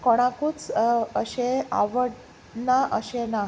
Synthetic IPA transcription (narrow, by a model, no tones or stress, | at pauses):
kɔɽ̃ãkuːt͡səɕea̰ʋəɽ | naʔəɕena